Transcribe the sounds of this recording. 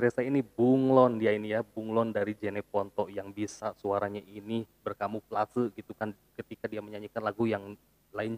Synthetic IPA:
əɾɛsainibuŋlɔndiainijabuŋlɔndaɾid͡ʒenɛpɔnt̪ɔʔjaŋbisasuaɾaɲaʔinibərkamuplasəɡit̪ukan | kət̪ikadiaməɲaɲikanlaɡujaŋ | laɪn

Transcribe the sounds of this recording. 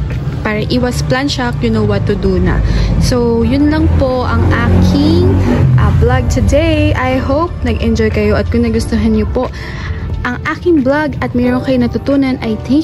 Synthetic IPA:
paːɾɐʔiːwɐsplanʃak̚jʊnowwɐt̪ːʊd̪unɐ̰sojʊnlɐŋpoʔɐŋʔaːkʰɪŋʔɐblaɡ̚t̪ʊd̪ejʔajhowp̚nɐɡʔɛnd͡ʒojkɐjo̞ʔɐt̪̚kʊŋnɐɡʊst̪oɦɐnɲopo̞ʔ | ʔɐŋʔaːkɪŋblaɡʔɐt̪̚mɛɾoŋkɐjonɐt̪ʊt̪uːnɐnʔɐjt̪ɪŋ

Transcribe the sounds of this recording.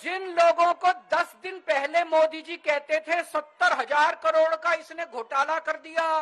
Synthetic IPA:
d͡ʒɪnloːɡõkod̪ɐsd̪ɪnpɛɦlemoːd̪id͡ʒikɛɦt̪et̪ʰesɐt̪ːəɾɦɐzaːɾkɐɾoːɽkaɪsneɡʱoːʈaːlakɐɾd̪ijaː

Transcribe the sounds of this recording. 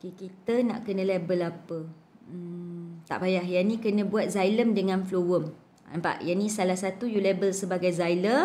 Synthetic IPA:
okekit̪əna̰ʔkənə̃lebəlapə | t̪a̰ʔpajahjanĩkənə̃buat̪̚zajləmdəŋãnflowəm | ampa̰ʔjanisalahsat̪ujulebəlsəbaɡajzajləm

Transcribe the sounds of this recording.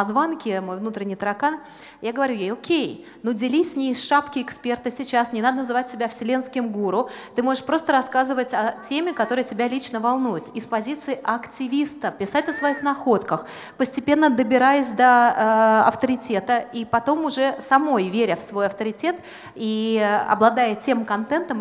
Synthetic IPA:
zvankʲɪmo̞jvnut̪ɾʲɪnʲːɪjt̪əɾɐkan | jaɡəvɐɾʲujejokʲej | nodʲɪlʲisʲnʲɪɪsʂapkʲɪɪkspʲe̞rt̪ɨsʲɪt͡ɕasnʲɪnad̪ənəzɨvat̚ʲːɪbʲafsʲɪlʲenskʲɪmɡuɾʊt̪ɨmo̞ʐɨʂpɾo̞st̪əɾɐskazɨvətʲɐtʲemʲɪkɐt̪o̞ɾɨjətʲɪbʲalʲit͡ɕnəvɐlˠnujʊt̪ɪspɐzʲit̪sɨɪʔɐktʲɪvʲist̪əpʲɪsatʲɐsvɐixnɐxo̞t̪kəx | pəsʲtʲɪpʲe̞nːəd̪əbʲɪɾajɪsʲd̪ə | ɐ̰ft̪əɾʲɪtʲe̞t̪əipɐt̪o̞mʊʐɛsɐmo̞jvʲeɾʲəfsvo̞jɐft̪əɾʲɪtʲe̞t̪ | iɐ̰blˠɐd̪ajətʲe̞mkɐnt̪ɛnt̪əm

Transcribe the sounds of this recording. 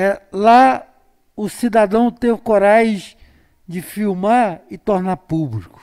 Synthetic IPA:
ɛla | ʊsid̪ad̪ɐ̃w̃t̪ẽvɪkoɾaʒ̃ʒẽ | d͡ʒɪfiwmaɾɪt̪oɾnaɾpublikʊ̥

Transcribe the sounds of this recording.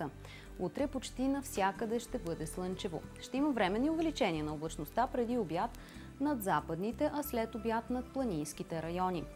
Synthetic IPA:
ə | ut̪ɾɛpot͡ʃt̪inɐfsʲjakəd̪ɛʃt̪ɛbɤd̪ɛslˠɤnt͡ʃɛvo̰ʃt̪ɛiməvɾɛmɛnːiʊvɛlit͡ʃɛnʲiənɐoblˠət͡ʃnost̪apɾɛd̪iobjat̪ | nɐd̪zapəd̪nit̪ɛʔɐslɛt̪objat̪nɐt̪̚plˠɐnijskit̪ɛɾɐjɔni

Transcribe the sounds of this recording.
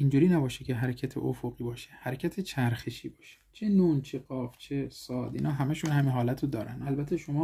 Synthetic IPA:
ind͡ʒuːɾiːnæbɒːʃecʰeɦæɾecʰæt̪ʰḛʔofoɣiːbɒːʃehæɾecʲʰæt̪ʰet͡ʃʰæɾxeʃiːbɒːʃe̥t͡ʃʰenuːnt͡ʃʰeɡɒːft͡ʃʰesɒːd̪ḭːnɒːɦæmæʃunhæminɦɒːlæt̪ʰod̪ɒːɾæ̰nd̪ælbæt̪ʰeʃomɒː

